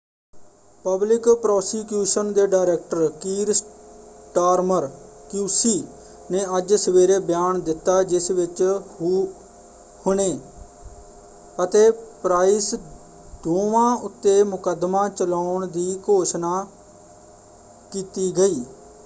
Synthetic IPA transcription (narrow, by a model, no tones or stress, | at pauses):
pəblɪkpɾɔːsiːkjuːʃənd̪eːɖaːɾɛːk̚ʈəɾkiːɾsʈaːɾməɾkjuːsiː | nẽːəd͡ʒsəʋeːɾeːbjaːnd̪ɪt̪ːaːd͡ʒɪsʋɪt͡ʃhuː | hʊɽ̃eː | ət̪eːpɾaːɪs | d̪oːʋãːʊt̪ːeːmʊkəd̪mãːt͡ʃəlaːʊɳd̪iːkoːʃnaː | kiːt̪iːɡəiː